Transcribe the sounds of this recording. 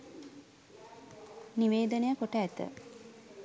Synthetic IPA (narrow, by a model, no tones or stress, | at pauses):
niʋeːd̪ənəjəkoʈəæt̪ə̰